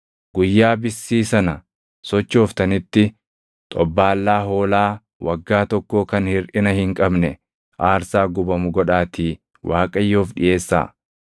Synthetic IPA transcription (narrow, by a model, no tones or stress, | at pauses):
ɡ̥ʊjːaːbɪsːiːsɐnɐ | sɔt͡ʃːo̞ːft̪ɐnɪt̪ːɪ | t̪ʼɔbːaːlːaːɦo̞ːlaː | wɐɡːaːt̪ɔkːoːkɐnhɪɾʔɪnɐhɪŋkʼɐbnɛ | ʔaːɾsaːɡʊbɐmʊɡɔᶑaːt̪iː | wʔaːkʼɐjːoːfᶑɪ̰ʔe̞ːsːa̰ː